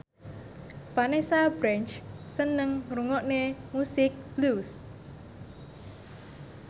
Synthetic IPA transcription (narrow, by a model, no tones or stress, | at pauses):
fanesabɾɛnt͡ʃsənəŋruŋɔʔnemusɪk̚b̥lus